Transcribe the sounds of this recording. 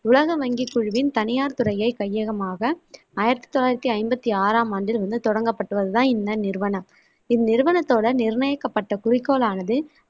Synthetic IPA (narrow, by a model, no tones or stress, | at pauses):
ʊlɐɣɐʋɐŋɡɪkːʊɻʋɪnt̪ɐnɪjaːɾt̪ʊɾɐjɐɪkɐjːɐɣɐmaːɣɐ | aːjɪɾɐt̪ːi̥t̪ːɔlaːjɪɾɐt̪ːiɐɪmbɐt̪ːiaːɾaːmaːɳɖɪlʋɐnd̪ɯt̪ɔɽɐŋɡɐpːɐʈːɯʋɐðɯt̪ãːɪnd̪ɐnɪɾʋɐnɐm | ɪðnɪɾɯʋɐnɐt̪ːoːɽɐnɪɾɳɐjɐkːɐpːɐʈːɐkʊɾɪkːoːlaːnɐðɯ